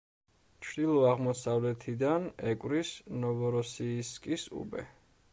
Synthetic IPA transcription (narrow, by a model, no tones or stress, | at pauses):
t͡ʃʰd̪ilˠɔaʁmɔsavlɛt̪ʰid̪anɛkʼwɾisnɔvɔɾɔsiːskʼisṵbɛ̰